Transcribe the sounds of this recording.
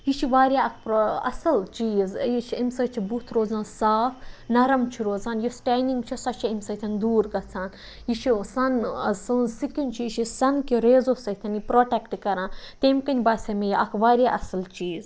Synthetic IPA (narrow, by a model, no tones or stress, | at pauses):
jit͡ʃʰiʋaːɾʲjaːɐkʰpɐ̰sɐlt͡ʃiːzjit͡ʃʰiimsɐt͡ʃʰibut̪ʰɾoːzaːnsaːfʰnɐɾɐmt͡ʃʰiɾoːzaːnjosʈʲaːniŋɡt͡ʃʰisɐt͡ʃʰiimʲsɐt̪ʰɐnd̪uːɾɡɐt͡sʰaːn | jit͡ʃʰisɐnsɨnsikint͡ʃʰijit͡ʃʰisɐnkiɾeːzosɐt̪ʰɐnipɾoːʈekʈkɐɾãːnt̪emkɐnʲbaːsʲɐmejiʔɐkʰʋaːɾʲjaːʔɐsɐlt͡ʃiːz